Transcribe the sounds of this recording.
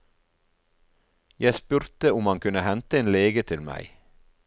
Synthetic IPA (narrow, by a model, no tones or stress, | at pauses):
jæɪspʉɾt̪əʊmɑŋkʰʉnəhɛnt̪əeːnleːɡət̪ʰɪlmæ̰ɪ